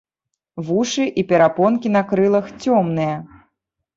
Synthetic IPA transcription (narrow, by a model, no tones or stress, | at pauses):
vuʂɨʔipʲɛɾapɔnkʲinɐkɾɨlˠɐxt͡sʲɔmnɨjɐ